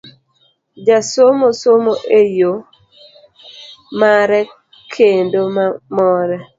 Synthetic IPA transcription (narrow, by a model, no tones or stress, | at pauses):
d͡ʒasomosomoʔejo | maɾɛ | kʰendomamɔɾɛ